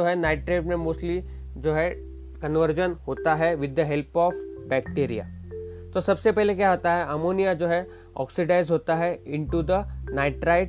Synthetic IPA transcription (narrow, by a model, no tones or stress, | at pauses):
oːɦɛnaɪʈɾeɪʈmẽmoːsʈli | d͡ʒoːɦɛ | kə̃nʋəɾd͡ʒənɦoːt̪aɦɛʋɪd̪ːəɦɛlpɔːfbɛkʈeːɾija̰t̪osɐbsepɛɦlekjaɦoːt̪aɦɛʔamoːnijad͡ʒoːɦɛ | ɔ̰ːksɪɖaɪzɦoːt̪aɦɛɪ̃ɳʈud̪ənaɪʈɾaɪʈ